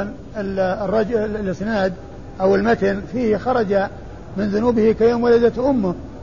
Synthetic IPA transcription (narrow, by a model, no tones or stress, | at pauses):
n | ɪlrˤːɑd͡ʒlɪsˤnaːd̪ | ʔawɪlmat̪ɪnfiːhxɑɾˤɑd͡ʒa | mɪnðʊnuːbɪhikajoːmwalad̪at̪ʔʊmːʊ